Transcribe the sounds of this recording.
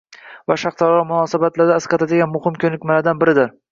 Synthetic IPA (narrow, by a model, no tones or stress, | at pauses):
vaʃɑχt̪ʰɒɾɒmʊnɒːsabat̪laɾd̪aɪsqɑt̪ʰad̪ɪɡʲanmʊhɪmkʲʰɵnɪkʲmalaɾd̪anbɪɾɪd̪ɪɾ